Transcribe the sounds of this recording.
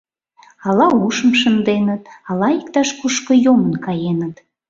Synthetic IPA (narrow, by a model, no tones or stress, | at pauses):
ɑlɑuʃəmʃənd̪enət̪ɑlɑikt̪ɑʃkuʃkəjomənkɑjenət̪